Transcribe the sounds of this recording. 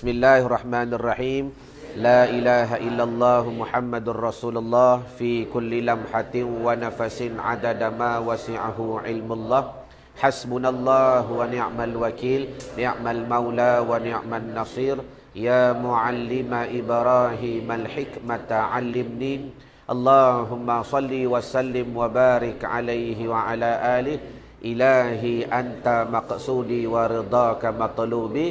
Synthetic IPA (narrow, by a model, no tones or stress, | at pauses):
bɪsmɪlːaːharˤːɑħmaːnarˤːɑħiːm | laːʔɪlaːɦaʔɪlːalˤːɑːɦmʊħamːad̪rˤɑsuːlʊlˤːɑːhfiːkʊlːɪlamħat̪ɪnwanafasɪnʕa̰d̪ad̪amaːwasɪʕaɦʊʕɪlmʊlˤːɑːh | ħasbʊnalˤːɑːɦwanɪʕmalwakiːlnɪʕmalmawlaːwanɪʕmanːɑsˤiːɾ | jaːmʊʕalːɪmaʔɪbɾˤɑːɦɪmalħɪkmat̪aʕalːɪmniː | ʔɑlˤːɑːɦʊmːasˤɑlːiwasalːɪmwabaːɾɪkʕa̰lajɦɪwaʕalaːʔaːlɪh | ʔɪlaːɦiʔant̪amɑqsuːd̪iwaɾɪd̪ˤɑːkamɑt̪ˤluːbi